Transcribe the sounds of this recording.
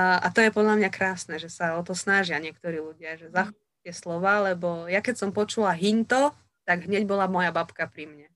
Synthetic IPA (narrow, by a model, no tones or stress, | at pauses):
ʔat̪ɔjɛpɔd̪ʎamɲakɾaːsnɛʒɛsaɔt̪ɔsnaʒɪaɲɪɛk̚t̪ɔɾiːluɟɪaʒɛzaxɔ | t̪ɪɛslɔʋaːlɛbɔjakɛcsɔmpɔt͡ʃulaɦint̪ɔ | t̪aɡɦɲɛɟbɔlamɔjabapkapɾimɲɛ